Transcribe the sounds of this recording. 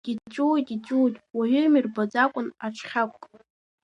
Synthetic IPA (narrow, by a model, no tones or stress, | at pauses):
ɡ̥ʲit͡ʃʼujtʼit͡ʃʼutʼwaɥʷʏmirbad͡zakʷʼʊnaʈ͡ʂʰχʲakʷʼkʼ